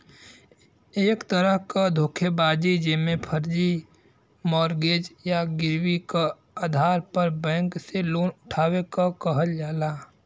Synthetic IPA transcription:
eːkt̪əɾəɦkad̪ʱoːkʰebaːd͡ʒid͡ʒɪmẽpʰəɾd͡ʒi | mɔːɾɡeːd͡ʒjaɡɪɾwika | aːd̪ʱaːɾpəɾbɛ̃ːŋkseloːnʊʈʰaːwekakəɦəld͡ʒaːlaː

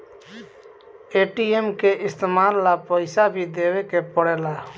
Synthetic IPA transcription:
eːʈiemkeʔɪst̪emaːllapəɪsabʱid̪eːwɛkepɔɽɛːlaː

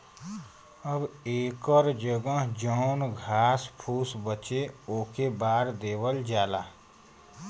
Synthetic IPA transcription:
əbeːkəɾd͡ʒəɡə̃ɦd͡ʒəːnɡʱaːspʰuːsbət͡ʃeoːkebaːɾd̪eːbəld͡ʒaːlaː

